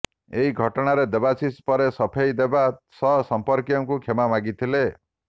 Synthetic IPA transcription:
eɦiɡʱɔʈɔɽ̃aɾed̪ebasispɔɾesɔpʰejd̪ebasɔsɔmpɔɾkjɔŋkukʰemamaɡit̪ʰile

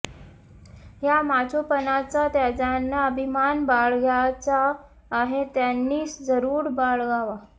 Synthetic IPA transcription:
jamat͡sopənat͡sat̪jad͡ʑanːaəbʱimanbaɭɡjat͡saː | ɦet̪janːiːsd͡zəɾuːɾbaɭɡaʋa

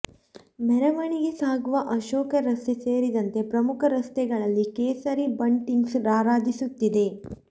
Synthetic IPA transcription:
mɛɾɐʋɐɳiɡe̞saːɡuʋɐʔɐʃoːkɐɾɐst̪eseːɾid̪ɐnt̪e̞pɾɐmukʰɐɾɐst̪ɛɡɐɭɐlːikeːsɐɾibɐɳʈiŋɡsɾaːɾaːd̪isut̪ːid̪e̞

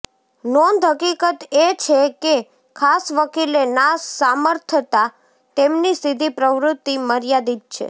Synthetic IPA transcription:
nɔnd̪ʱɦəkikət̪et͡ʃʰeke | kʰasʋəkilenasaməɾt̪ʰət̪a | t̪emnist̪id̪ʱipɾəʋɾʊt̪ːiməɾjad̪id̪̚t͡ʃʰḛ

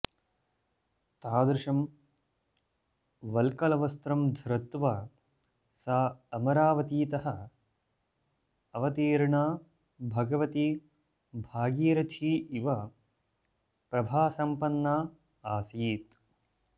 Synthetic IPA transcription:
t̪aːd̪ɾɪʂɐm | ʋɐlkɐlɐʋɐst̪ɾɐmd̪ʱɾɐt̪ʋɐ | saːɐmɐɾaːʋɐt̪iːt̪ɐɦɐ | ɐʋɐt̪iːɾɳaː | bʱɐɡɐʋɐt̪i | bʱaːɡiːɾɐt̪ʰiːʔiʋɐ | pɾɐbʱaːsɐmpɐnːaː | aːsiːt̪

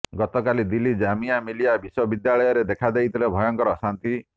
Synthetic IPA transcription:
ɡɔt̪ɔkalid̪ilid͡ʒamijamilijabiswɔbid̪jaɭɔjɔɾed̪ekʰad̪ejt̪ʰilebʱɔjɔŋkɔɾɔsant̪i

